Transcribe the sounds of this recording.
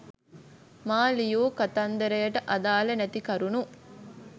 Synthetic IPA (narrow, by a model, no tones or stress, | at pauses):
maːlijoːkɐt̪ɐnd̪ɐɾejɐʈɐʔɐd̪aːlɐnɛt̪ikɐɾunu